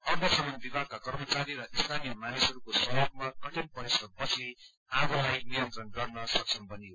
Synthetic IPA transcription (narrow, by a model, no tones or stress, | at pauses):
ʌrd̪ʌsʌmʌnbibʱaɡ̚kakʌrmʌt͡saɾiɾʌʔist̪ʰanijʌmanisʌɾukosʌjoɡ̚makʌʈinpʌɾisʌd̪̚pʌt͡sʰi | abʌlajniʌnt̪rʌnɡʌrnʌsʌk̚sʰʌnpʌniɦo